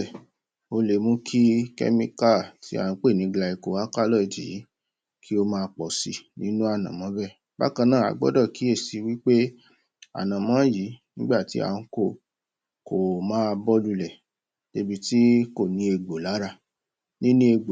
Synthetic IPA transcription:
o˧le˨mũ˦kʰi˦kɛ̰˦mĩ˦ka˦˨ti˨˦a̰˨ũ˧k͡pe˦˨nĩ˨˧˦ɡ͡bla˧i˧ko˨wa˦ka˦lɔ˦˨i˨d͡ʒḭ˨˦ | kʰi˦o˦mãː˦˧k͡pɔ˨si˧nĩ˨˦nũ˦a˦˨nã˨mɔ̃˨˦bɛ˦˨ | ba̰˦kã˧nã˦˨a̰˨˧ɡ͡bɔ̰˦dɔ˦˨ki˨˦e˦˨si˨˧wi˦k͡pe˦ | a̰˨nã˨mɔ̃˨˦ji˨˦nĩ˦ɡ͡ba˦˨ti˨˦a̰˨ũ˧˦ko˦˨ | ko˨mãː˦˧bɔ˦lu˧lɛ˨ | de˦bi˧ti˦ko˦˨nĩ˨˦e˨˧ɡ͡bo˨la˨˦ɾa˧˨ | nĩ˦nũ˦e˧ɡ͡bo˨

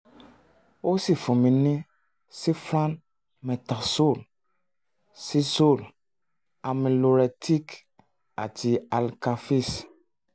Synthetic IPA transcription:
wo˦si˨fɔ̃˨mĩ˨nɛ̃˦ | si˦fɾã˦n | mɛ̃˨t̪a˨so˦˨l | si˦so˦˨l | a˨mẽ˨lo˨ɾɛ˨t̪ʰi˦k | a̰˨ti˨a˨lka˨fi˦s

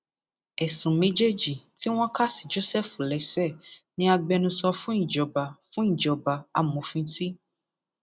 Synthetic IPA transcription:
ɛ˨sũ˨mĩ˦d͡ʒe˦d͡ʒi˨ti˦w̃ɔ̃˦ka˦si̥˨d͡ʒo˦sɛ˦fu˨lɛ˨sɛ˦˨nĩ˦a˧ɡ͡bɛ˧nũ˧sɔ˧fũ˦ĩ˦˨d͡ʒɔ˨ba˨fũ˦ĩ˨d͡ʒɔ˨ba˨a˨mõ˨fĩ˧ti˦

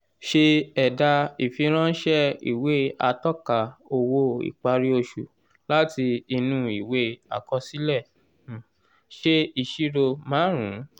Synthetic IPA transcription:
ʃe˧ɛ˨da˧i˨fi˧˦ɾ̃ã˦ʃɛ˦ḭ˨we˨˦a˧tɔ˦ka˨o˧wo˧ḭ˨k͡pa˧ɾi˦o˧ʃu˨ | la˦ti˧i˧nũ˧˦i˨we˦a̰˧˨kɔ˧si˦lɛ˦˨ | ʃe˧i˨ʃi˦ɾo˧mãː˨˦ɾ̃ṵ̃˨˦

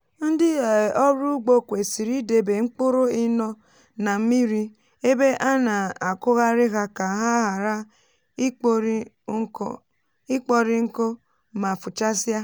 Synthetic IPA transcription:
n̩˦dɪ˦˨ɔ˦ɾu˦ɡ͡bo˦kʷe˨si˨ɾi˦de˨be˨ŋ͡m̩˦k͡po˦ɾo˦i˦nɔ˦ | na˨m̩˦mi˦ɾi˦ | e˦be˦ʔa˦na˨a˨kʊ˦ɣa˦ɾɪ˦ɣa˦ka˨ɦa˦ɦa˨ɾa˦ | ɾ | i˦k͡pɔ˦ɾi˦ŋ̩˦ko˦ | ma˨fu˨t͡ʃa˦sa˦

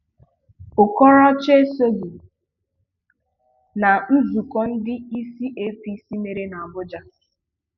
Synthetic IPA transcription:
ʊ˨kɔ˦ɾɔ˦t͡ʃe˦e˦so˦ɡu˨ | na˨˦zu˨kɔ˦n̩˦dɪ˦i˦si˦ʔe˦pi˦si˦me˨ɾe˦na˨a˨bʊ˦d͡ʒa˦

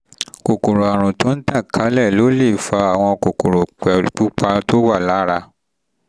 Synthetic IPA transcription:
ko˨ko˨ɾo˨a˨ɾ̃ũ˨to˦n̩˦ta˦˨kʰa˨˦lɛ˦˨lo˨˦le˦˨fa˧˦a˨w̃ɔ̃˧ko˨ko˨ɾo˨k͡pɛ˨k͡pu˦k͡pa˧to˦wa˦˨la˨˦ɾa˧

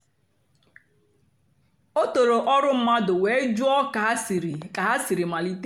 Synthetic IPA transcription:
o˦to˨ɾo˨ʔɔ˦ɾʊ˦m̩˦ma˦dʊ˨we˨e˦d͡ʒʊ˦ɔ˦ka˨˦sɾka˨a˦si˨ɾi˨ma˨li˦t

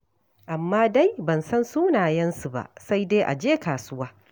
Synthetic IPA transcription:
ʔa˨mːaː˦da˦jbɐ˨nsɐ˦nsuː˦naː˨jɐ˦nsu˨ba̰˦˨sa˦jdeː˦ʔa̰˨d͡ʒeː˦kaː˨sʊ˦waː˦

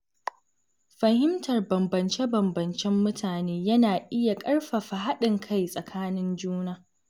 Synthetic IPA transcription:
ɸɐ˨hɪ˦mtɐ˨rbɐ˨mbɐ˨nt͡ʃe˦bɐ˨mbɐ˨nt͡ʃɛ˦mːʊ˦tʰaː˨neː˦jɐ˦naː˨ʔɪ˦ja˨kʼɐ˦rɸa˨ɸa˨ɦa˦ɗɪ˨ŋkʰa˦˨jsʼɐ˨kʰaː˦nɪ˦nd͡ʒuː˦naː˦

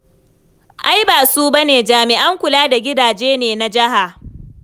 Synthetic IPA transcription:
ʔa˦jbaː˨suː˦ba˦neː˨d͡ʒaː˨mɪ˨ʔa˦ŋkʷʊ˨laː˦da˨ɡʲɪ˦daː˨d͡ʒeː˦neː˨na˦d͡ʒɪ˦ha˨

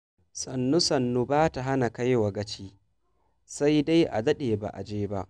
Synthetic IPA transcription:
sɐ˨nːu˦sɐ˨nːu˦baː˦ta˨ɦa˦na˨ka˦jwa˨ɡɐ˦t͡ʃiː˦ | sa˦jda˦jʔa̰˨zɐ˦ɗeː˨ba̰˨ʔa̰˨d͡ʒeː˦ba˦ʔ

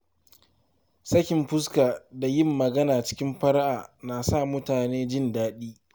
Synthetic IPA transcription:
sɐ˦kʲɪ˨mɸʊ˦s̬kaː˨da˨jɪ˦˨mːɐ˨ɡɐ˦naː˨t͡ʃɪ̥˦kʲɪ˦mɸɐ˦ɾʔaː˨naː˨sa˦˨mʊ˦taː˨neː˦d͡ʒɪ˦˨ndaː˦ɗiː˦

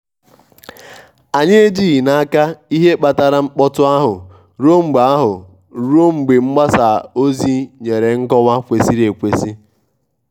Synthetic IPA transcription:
a˨ɲe˦e˦d͡ʒiː˦˨na˦a˦ka˦i˦ɦe˦k͡pa˨ta˨ɾa˨ŋ͡m̩˦k͡pɔ˦tʊ˦a˦ɦʊ˨ | ɾo˦ŋ͡m̩˨ɡ͡ba˦ɦʊ˨ | ɾu˦o˦ŋ͡m̩˨ɡ͡be˨ŋ͡m̩˦ɡ͡ba˦sa˨o˦zi˦ɲe˨ɾe˨ŋ̩˦kɔ˦wa˦kʷe˨si˦ɾe˨kʷe˦si˦

